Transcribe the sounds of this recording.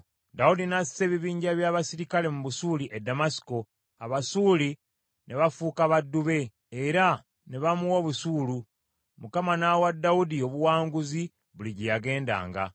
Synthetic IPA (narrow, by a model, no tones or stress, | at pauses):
daudinasi̥se̞βiβiːɲɟaβjaːβasiɾikale̞muβusuːliʔedːamasi̥ko̞ | aβasuːli | ne̞βafuːkaβadːuβe̞ː | ɾa | ne̞βamuwo̞βusuːlu | mukamanawadːaudio̞βuwaːŋɡuzi | βuliɟijaɡe̞ːnda̰ːŋɡa̰